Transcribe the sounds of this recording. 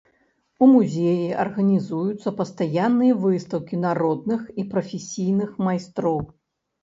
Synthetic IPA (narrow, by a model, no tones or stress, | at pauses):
umuzʲejiɐ̰rɣɐnʲizujut̪sːɐpɐst̪ajanːɨjɐvɨst̪ɐwkʲinaɾɔd̪̚nɨxipɾɐfʲesʲijnɨxmajst̪ɾɔw